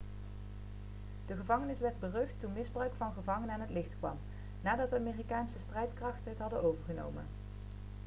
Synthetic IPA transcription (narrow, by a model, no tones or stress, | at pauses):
d̥əχəvɑŋənɪsʋɛɹd̚bərɵxtːunmɪzbrœɥkfɑnχəvɑŋənəaːnɦətlɪχtkʋɑ̰m | naːdɑtdəaːmeːrikaːnsəstrɛjtkrɑχtənɦətɦɑdənowvəɹχəno̰wmə̰n